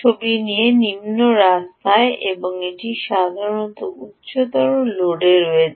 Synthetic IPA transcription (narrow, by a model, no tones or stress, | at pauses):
t͡ɕʰobinijenimnoɾast̪aeʔeboŋeʈiʃad̪ʱaɾnot̪out̪ːʃot̪ɔɾoloɖeoet͡ɕʰe